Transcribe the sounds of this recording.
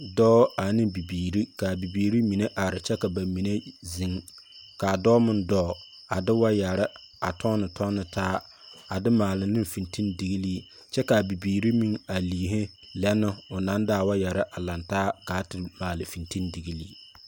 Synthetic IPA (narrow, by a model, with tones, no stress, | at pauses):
dɔː˦a˨nɪ˦bi˨biː˨ɾi˦ka˨bi˨biː˨ɾi˦mi˨ne˦ʔa˨ɾɪ˨t͡ʃɛ˦ka˨ba˨mi˨ne˦zi˨ŋ | kaː˨dɔː˦mɪ˦ndɔː˦˨ | a˨dɪ˦wa˦ja˨ɾɪ˦ | a˨tʰɔ˦nɨ˨tʰɔ˦nɨ˨tʰaː˦ | a˨dɪ˦maː˨lɪ˨nɨ˦mfi˨nti˦ndi˨ɣi˦liː˦ | t͡ʃɛ˦ka˨bi˨biː˨ɾi˦mi˦ŋa˨liː˨ɦɪ˦ | lɛ˦nːɪ˦ʊ˨na˦ndaː˦˨wa˦ja˨ɾɪ˦ʔa˨la˨ntaː˦ka˨˦tɪ˨maː˨lɪ˨fi˨nti˦ndi˨ɡi˦liː˦